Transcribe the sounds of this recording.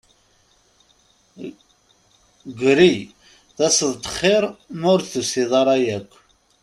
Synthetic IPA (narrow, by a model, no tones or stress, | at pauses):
ɡʷɾi | ðæsəðˤt̪ə̥χːeɾnʊɾθəsiðˤɑɾˤɑjækʷː